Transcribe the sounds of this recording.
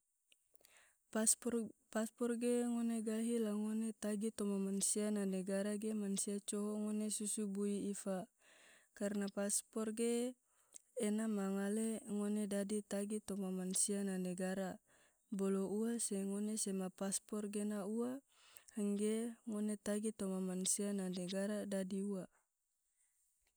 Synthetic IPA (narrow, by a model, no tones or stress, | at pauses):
paspɔrɡeŋoneɡaɦilaŋonet̪aɡit̪ɔmamansiananɛɡaɾaɡemansiat͡ʃɔɦɔŋonesusubuiifa | karnapaspɔrɡeː | namaŋaleŋonedadit̪aɡit̪omamansiananeɡaɾa | bolouaseŋonesemapaspɔrɡenaua | həŋɡeŋonet̪aɡit̪omamansiananeɡaɾadadiua